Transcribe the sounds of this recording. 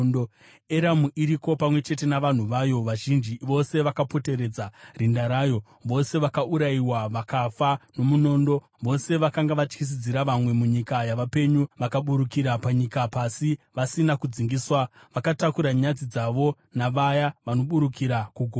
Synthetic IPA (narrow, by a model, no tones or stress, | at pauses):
eɾamuʔiɾiko̞pamwe̞t͡ʃe̞te̞naʋan̤uʋajo̞ʋaʒind͡ʒiʋo̞se̞ʋakapo̞te̞ɾe̞d͡zarindaɾaːjo̞ | ʋo̞se̞ʋakaʔuɾaiwaʋakafano̞muno̞ːndo̞ | ʋo̞se̞ʋakaŋɡaʋat͡ʃkis̬id͡ziɾaʋamwe̞muɲikajaʋape̞ɲuʋakaɓuɾukiɾapaɲikapasiʋasinakud͡ziŋɡiswa | ʋakatakuɾaɲad͡zid͡zaʋo̞ | naʋajaʋano̞ɓuɾukiɾakuɡʱo